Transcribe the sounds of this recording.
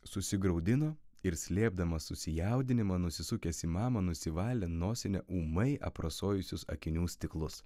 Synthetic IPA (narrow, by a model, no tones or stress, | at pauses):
sʊsʲɪɡɾɐʊd̪ʲɪnoː | ɪɾsʲlʲeɛb̚d̪ɐmɐsʊsʲɪjæˑʊd̪ʲɪnʲɪmɐnʊsʲɪsʊkʲɛsʲiːmɑːmɐnʊsʲɪʋɑːlʲɛnoːsʲɪnʲɛʔuːmɐɪʔɐ̰pɾɐsoːjʊsʲʊsɐ̰kʲɪnʲuːsʲt̪ʲɪklˠʊs